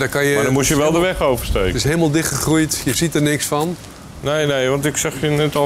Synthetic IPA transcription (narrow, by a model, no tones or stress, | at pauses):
dakɑnjəmadɔnmusjəʋɛlˠdəʋɛxowvərsteːktɪsɦeləmalˠdɪxtχəxrujtjəzitərnɪksfɔn | nejnejʋɑntɪksaxjənɛtɔ